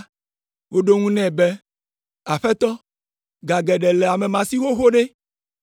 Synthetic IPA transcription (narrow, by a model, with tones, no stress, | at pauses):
wo˦ɖo˦ŋũ˦nɛ̃˨bɛ˦ | a˨ɸɛ˦t̪ɔ˦ | ɡa˨ɡɛ˨ɖɛ˨lɛ˨a˨mɛ˨mã˨si˦xo˦xo˦ɖe˦